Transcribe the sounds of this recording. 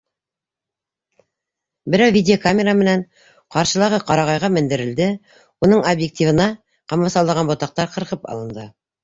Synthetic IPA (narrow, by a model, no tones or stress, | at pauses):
bɘ̆ɾæwvʲidʲeokamʲeɾamɘ̆næɴ | qɑɾʃɤ̆lˠɑʁɤqɑɾɑʁɑjʁɑmɘ̆nd̪ɘ̆ɾɘ̆ld̪ɘ | unɤɴobjek̚t̪ʲivɤ̆nɑ | qɑmɑsɑlˠd̪ɑʁɑnbŏt̪ɑq̚t̪ɑɾqɤ̆ɾqɤpɑ̰lˠɤ̆nd̪ɤ